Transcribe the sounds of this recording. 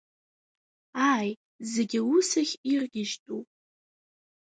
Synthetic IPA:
aj | zeɡʲɪusaχʲirɡʲɪʒtʼupʼ

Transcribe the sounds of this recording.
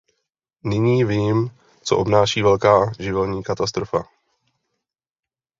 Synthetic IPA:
nɪɲiːviːm | t͡soʔobnaːʃiːvɛlkaːʒɪvɛlɲiːkat̪ast̪ɾofa̰

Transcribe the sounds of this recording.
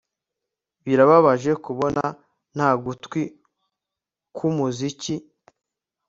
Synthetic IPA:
βiɾaβaβaʒe̞kuβo̞na | n̥haːɡutkwi | kʰumuzici

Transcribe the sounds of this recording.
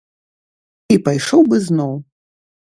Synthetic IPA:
ipajʂɔwbɨznɔw

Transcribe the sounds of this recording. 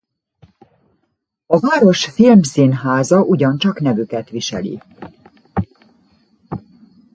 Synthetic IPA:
ɒvaːɾo̞ʃfilmsinɦaːzɒʔuɟɒnt͡ʃɒknɛvykɛt̪ʋiʃɛ̰lḭ

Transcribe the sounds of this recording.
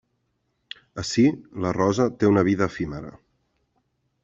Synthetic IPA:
əsilərɔzət̪eunəβ̞iðəfiməɾə̰

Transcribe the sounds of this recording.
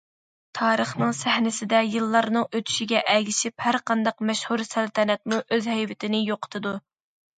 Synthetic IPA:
t̪ʰɑːɾəχnɨŋsæhnɪsɪd̪ɛjɨlˠːɑɾnɨŋøt̪ʰy̥ʃiɡʲɛʔɛlɡʲiʃiphæɾqʰɑnd̪ɑqmɛʃhuɾsælt̪ʰɛnɛt̪̚muʔøzhɛjvɪt̪ʰɪnɪjoqʰə̥t̪ʰɨd̪u

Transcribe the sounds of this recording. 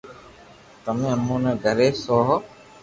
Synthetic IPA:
t̪əmẽːənːõːneːɡʱəɾeːsoːɦ

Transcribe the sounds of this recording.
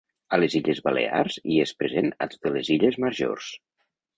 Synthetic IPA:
əleziʎəzβəlḛa̰ɾziespɾezena̰t̪o̥t̪eleziʎəzməɾʒo̰rs

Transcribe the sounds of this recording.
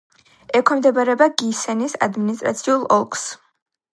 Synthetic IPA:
ɛkʰɔmd̪ɛbaɾɛbaɡisɛnisa̰d̪minis̬t̪ʼɾa̰t̪sʰiulˠɔlˠkʰʼs

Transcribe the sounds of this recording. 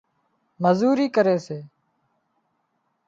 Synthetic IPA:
məzuːɾiːkəɾeːseː

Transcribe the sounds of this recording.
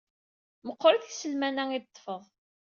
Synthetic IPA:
məqːoɾθisəlmænæŋid̪t̪ˤːfəðˤ

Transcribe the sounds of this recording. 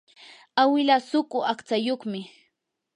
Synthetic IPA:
awɪlasʊkʼʊakt͡sajoχmɪ

